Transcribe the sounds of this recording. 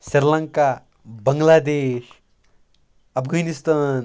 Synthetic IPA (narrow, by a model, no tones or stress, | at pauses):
siɾlɐ̃ŋka | bɐŋɡlaːd̪eːʃ | ɐpʰɡɐnist̪aːn